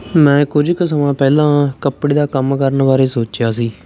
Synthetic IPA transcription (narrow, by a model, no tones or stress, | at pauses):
mɛ̃ːkʊd͡ʒksəmãːpɛːlãːkəpɽeːd̪aːkəmkəɾənʋaːɾeːsoːt͡ʃjaːsiː